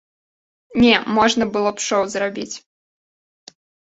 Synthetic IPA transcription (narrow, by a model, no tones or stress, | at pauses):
nʲɛmɔʐnɐbɨlˠɔpʂɔwzrabʲit͡sʲ